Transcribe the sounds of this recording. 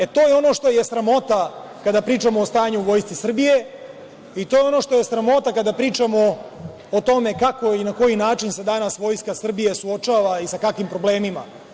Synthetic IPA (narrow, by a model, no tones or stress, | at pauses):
et̪ojeo̞no̞ːʂt̪o̞je̞sɾamo̞t̪akad̪apɾiːt͡ʃamo̞ːst̪aːjaɲuʋo̞ːjst̪sisr̩bije̞ | it̪ojeo̞no̞ʂt̪o̞jesɾamo̞t̪akad̪apɾiːt͡ʂamo̞ː | t̪o̞me̞kako̞inako̞jinaːt͡ʃinsed̪anasʋo̞ːjskasr̩bije̞suo̞t͡ʃaːʋaisakakʋimpɾo̞ble̞ːmima̰